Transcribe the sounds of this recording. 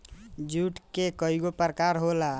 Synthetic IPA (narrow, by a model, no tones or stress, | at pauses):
d͡ʒuʈkekəiɡopɾəkaɾɦola